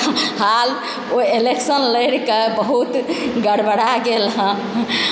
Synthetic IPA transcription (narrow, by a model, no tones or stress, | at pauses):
ɦal | oeleksənləjɽkebəɦut̪ɡəɽbəɽaɡelɦə̃